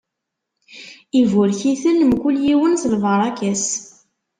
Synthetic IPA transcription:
ivʊɾçiθənmkʊljiwənθlvəɾˤɑkæs

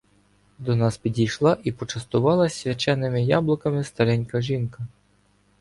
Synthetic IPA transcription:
d̪ɔnɑspʲidʲijʃlˠɑʔipɔt͡ʃɐst̪ʊʋɑlˠɐsʲʋʲɐt͡ʃɛnːɪmɪjɑblˠɔkɐmɪst̪ɐɾɛnʲkɐʒinkɐ

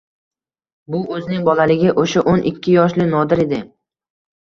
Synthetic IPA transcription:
bʊɵznɪŋbɒlalɪɡʲɪʔoʃaʔonʔɪkʲʰːɪjɒʃlɪnɒd̪ɪɾe̞d̪ɪ

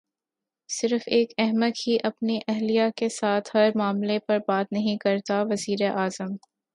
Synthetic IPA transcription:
sɪɾfeːkɛɦməd̪kiʔɐpniʔɛɦlijakesaːt̪ʰhɐɾmaːmlepɐɾbaːt̪nɐɦĩkɐɾt̪aʋɐziːɾeʔaːzəm

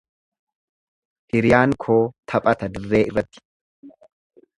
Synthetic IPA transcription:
hɪɾɪjaːŋkʰoːt̪ʰɐpʼɐt̪ɐd̪ɪrːe̞ːʔɪrːɐt̪ːɪ̥

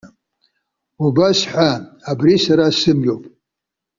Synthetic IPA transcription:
ubasħʷaabrisaɾasɨmjo̞wpʼ

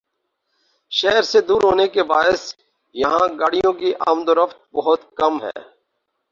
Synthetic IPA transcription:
ʃɛːɾsed̪uːɾɦoːnekebaːɪs | jɐɦãɡaːɽijõkiʔaːmd̪oɾəft̪̚bɐɦʊt̪kɐmɦɛ̰ː

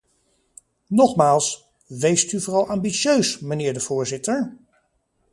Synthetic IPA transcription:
nɔχmaːlˠs | ʋejstyvʊːɹɑlˠʔaːmbisjøɥsmənɪːɹdəv̥ʊːɹzɪtəɹ

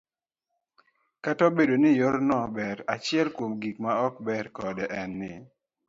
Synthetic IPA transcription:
katɔbedonɪjɔɾnɔbɛɾat͡ʃɪɛlkwomɡikmaɔk̚bɛɾkɔdɛʔɛnːɪ

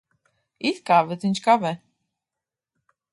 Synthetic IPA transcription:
iθkavɛt͡s̪ʰint͡ʃʰkavɛ

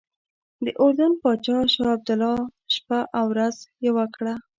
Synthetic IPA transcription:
d̪əʔoɾd̪anpɑt͡ʃɑʃɑab̚d̪ʊlɑʃpaʔawɾazjawakɽa

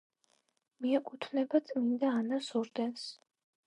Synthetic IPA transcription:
miɛkʼut̪ʰnɛbat̪sʼmind̪aːnasɔɾd̪ɛns

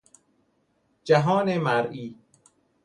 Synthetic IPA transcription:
d͡ʒæɦɒːnemæɾiː

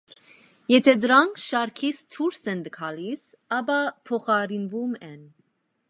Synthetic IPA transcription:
jɛt̪ʰɛd̪əɾɑŋkʰʃɑɾkʰit͡sʰt̪ʰuɾsɛnd̪əkʰɑlisɑbɑpʰɔχɑɾinvumɛn

